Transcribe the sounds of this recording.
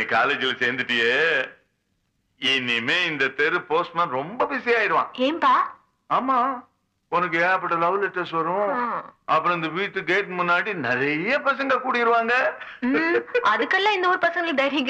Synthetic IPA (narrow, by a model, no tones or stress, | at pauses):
ikaːleːd͡ʒɪlɐseːɾnd̪ɯʈːɯjeː | ɪnːɪmeːɪnd̪ɐt̪ɛɾɯpoːsʈmɐnɾɔmbɐbɪsɐjaːɪɾɯʋã̰ːɡeːmpaː | aːmaː | ɔnɐk̬ːɯeːɐp̬ːɐʈːɐlɐʋlɛʈːɐɾsʋɐɾʊ̃ɐpːɯɾɔ̃ɪnd̪ɐʋiːʈːɯɡeːʈmʊnːaːɽinɪɾɐjɐpɐsɐŋɡɐkuːɽɪɪɾɯʋaːŋɡɐ | ʔɐðɯkːɐlːãːɪnd̪ɐɔɾɯpɐsɐŋɡɐɭd̪ɐjɾɪŋɡɐ